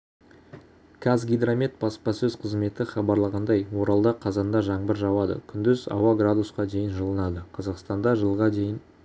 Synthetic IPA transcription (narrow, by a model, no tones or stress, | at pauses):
kʰazɡʲijd̪ramʲet̪̚bɑspɑsɵzqʰəzme̞t̪ɪχɑbɑɾlˠɑʁɑnd̪ɑjwo̞ɾɑlˠd̪ɑqʰɑzɑnd̪ɑʒɑɴbəɾʒɑwɑd̪ə̰kʲʰʏnd̪ɪzɑ̰wɑɡrad̪usqɑd̪e̞jɪnʒəlˠənɑd̪əqʰɑzɑqst̪ɑnd̪ɑʒəlˠʁɑd̪e̞jɪn